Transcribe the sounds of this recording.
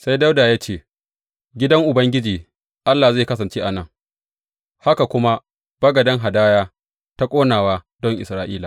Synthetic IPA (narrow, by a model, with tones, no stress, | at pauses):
sa˦jda˦wdaː˨jaː˦t͡ʃeː˦ | ɡʲɪ˦dɐ˦ŋʔʊ˨bɐ˦ŋɡʲɪ˦d͡ʒiː˨ | ʔa˦lːaː˨zeː˦˨kɐ˦sɐ˨nt͡ʃeː˦ʔa˨nɐ˦ŋ | ha˦ka˨kʷʊ˦ma˦ | b̥ɐ˦ɡɐ˨dɐ˦ŋɦa˨daː˦jaː˦ | ta˦kʷʼoː˦naː˨waː˦ | dɔ˦ŋʔɪ̰˨sɾaː˦ʔiː˦laː˨